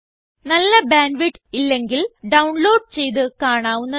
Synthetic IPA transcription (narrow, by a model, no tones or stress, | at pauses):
nɐlːɐbaːɳɖʋiʈːilːe̞ŋɡilɖɐwuɳloːɖ̚t͡ɕe̞jðɨkaːɳaːʋunːɐ